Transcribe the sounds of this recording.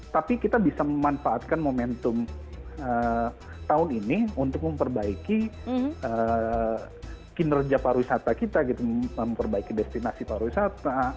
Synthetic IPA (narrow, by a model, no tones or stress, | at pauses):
t̪apikit̪abisaməmanfaːt̪̚kanmomɛnt̪ʊm | ə | t̪aʊniniunt̪ʊk̚məmpərbaiki | ə | kinərd͡ʒapaɾuisat̪akit̪aɡit̪uəmpərbaikidɛst̪inasipaɾuisat̪a